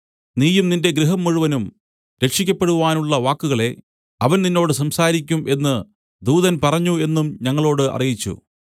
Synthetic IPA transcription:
niːjumninde̞ɡɾiɦɐmːuɻuʋɐnum | ɾe̞kʂikʲːɐpːe̞ɽuʋaːnuɭːɐʋaːkːuɣɐɭe̞ | ɐʋɐnninːo̞ːɽɨsɐmsaːɾikʲːumʔe̞nːɨ | d̪uːðɐnpɐrɐɲːue̞nːumɲɐŋːɐɭo̞ːɽɨʔɐ̰rijit͡ɕːṵ

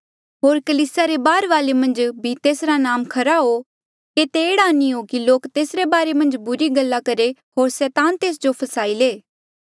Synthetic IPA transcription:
ɦoːɾkɐliːsɪjaɾebaːɾʋaːlemɐ̃nd͡ʒbʱit̪eːsɾanaːmkʰɐɾaɦo | ket̪eːɽaːniɦokiloːkt̪eːsɾebaːɾemɐ̃nd͡ʒbʊɾiɡɐlːakɐɾeɦoːɾsɛːt̪ãːnt̪eːs̬d͡ʒopʰɐsaːileː

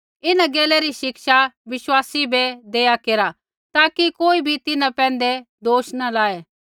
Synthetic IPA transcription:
ɪnãɡeːlɛɾiʃɪkʃaʋɪʃwaːsibʱɛd̪eːjakeːɾa | t̪aːkikoːibʱit̪ɪnãpɛ̃ːn̆d̪ɛ | d̪oːʃnalaːe

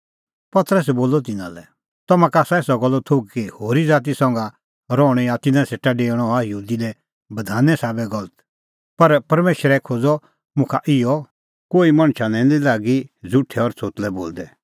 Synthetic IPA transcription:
pɐt̪ɾəs̬ɛboːlɔt̪̬ɪnã̰lɛ̰ | t̪ɐmãkaːsaeːsɔɡɔlːɔt̪ʰoɡ̚kihoːɾid͡zaːt̪̬isɐ̃ŋɡa | ɾɔɽ̃ɛ̃jat̪ɪnãseːʈaɖẽːɔajɐɦuːd̪ilɛ | bɐd̪ʱaːnɛsaːbɛɡɔlət̪ | pɐɾpɐɾmeːʃɾɛkʰoːd͡zɔ | mʊ̃kʰaʔɪɔ | koːimɐ̃ɽ̃t͡ʃʰanɛ̃lilaːɡid͡zʊʈʰːɛɔɾt͡sʰoːt̪lɛboːld̪ɛ

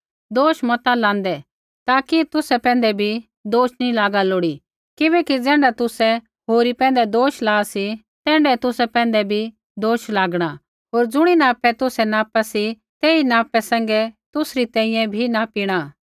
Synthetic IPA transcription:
d̪oːʃmɐt̪alãːnd̪ɛ | t̪aːkit̪ʊsɛpɛ̃ːn̆d̪ɛbʱi | d̪oːʃnilaːɡaloːɽi | kɪbɛːkid͡zɛ̃ːɳɖat̪ʊsɛ | ɦoːɾipɛ̃ːnd̪ɛd̪oːʃlaːsi | t̪ɛ̃ːɳɖɛt̪ʊsɛpɛ̃ːn̆d̪ɛbʱi | d̪oːʃlaːɡɽ̃a | ɦoːɾd͡zʊɽ̃inaːpɛt̪ʊsɛnaːpasi | t̪eːinaːpɛsɛ̃ŋɡɛt̪ʊsɾit̪ɛ̃ːɪ̃jɛ̃bʱinapiːɽ̃a

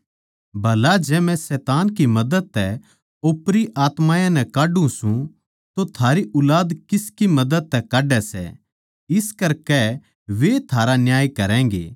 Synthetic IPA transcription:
bʱɐlad͡ʒɛːmɛ̃sɛːt̪aːnkimɐd̪əd̪̚t̪ɛ | oːpɾiʔaːt̪maːjãnɛkaːɖũsũ | t̪ot̪ʰaːɾiʔʊlaːd̪kɪskimɐd̪əd̪̚t̪ɛkaːɖɛsɛ̰ | ɪskɐɾkɛ | ʋet̪ʰaːɾanjaːjkɐɾɛ̃ːŋ̆ɡḛː

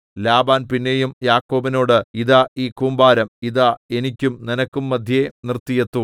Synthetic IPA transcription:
laːbaːnpinːejumjaːkːo̞ːbino̞ːɽɨiðaiːkuːmbaːɾɐmiðae̞nikʲːumninɐkːumːɐd̪ʱjenirt̪ːijet̪ːu

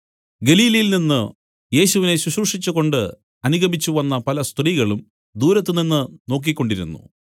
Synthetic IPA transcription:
ɡe̞liːlɐjilninːɨ | je̞ːɕuʋine̞ɕwuɕruʂit͡ɕːuɣo̞ɳɖɨ | ɐnuɡɐmit͡ɕːuʋɐnːɐpɐlɐst̪riːɣɐɭum | d̪uːɾɐt̪ːɨninːɨno̞ːk̬ːikʲːo̞ɳɖiɾṵnːṵ

